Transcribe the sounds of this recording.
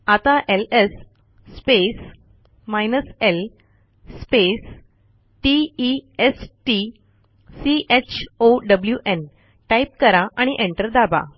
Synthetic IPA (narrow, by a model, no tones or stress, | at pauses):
at̪aʔelesː | pes | majnəsel | spes | ʈiiesʈi | siʔet͡ɕʰoɖəbljuʔen | ʈaip̚kəɾaʔaɽ̃iʔẽɳʈəɾd̪aba̰